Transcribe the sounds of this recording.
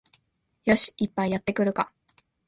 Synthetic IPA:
jo̞ɕi̥ipːaijat̪ːe̞kɯ̟ɾɯ̟ka

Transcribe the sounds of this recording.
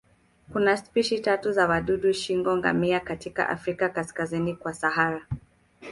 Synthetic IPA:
kunaspiʃitatuzawaɗuɗuʃiŋɡɔŋɡa̰miakatika̰ʔa̰fɾikakaskazinikwasaɦaɾa

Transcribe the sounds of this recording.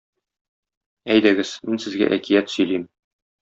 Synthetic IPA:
æjd̪æɡɘz̥minsɘ̆zɡæ̰ʔækijæt̪sɵ̆jlim

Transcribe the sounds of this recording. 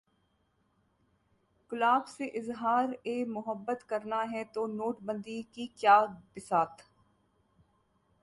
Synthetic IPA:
kʊlaːbseʔɪzɦaːɾeːmʊɦəbːət̪kɐɾnaɦɛt̪onoːʈbə̃nd̪ikikjaːbɪsaːt̪

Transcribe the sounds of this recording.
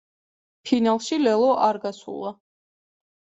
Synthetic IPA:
pʰinalˠʃilɛlˠɔʔaɾɡasṵlˠa

